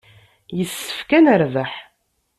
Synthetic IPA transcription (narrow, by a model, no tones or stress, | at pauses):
jəsːə̥fkænəɾvəħ